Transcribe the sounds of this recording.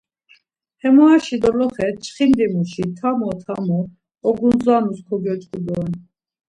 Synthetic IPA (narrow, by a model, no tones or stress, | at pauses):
hɛmɔaʃid̪ɔlɔχɛt͡ʃʰχind̪imuʃit̪ʰamɔt̪ʰamɔ | ɔɡunzanuskʰɔɡɛt͡ʃʼkʼud̪ɔɛn